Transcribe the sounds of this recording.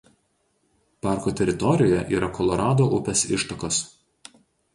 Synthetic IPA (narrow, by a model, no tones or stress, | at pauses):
pɑˑɾkot̪ʲɛɾʲɪt̪ɔɾʲɪjoːjɛʔiːɾɐkʰɔlˠɔɾɑːd̪oːʔʊpʲɛsɪʃt̪ɐkos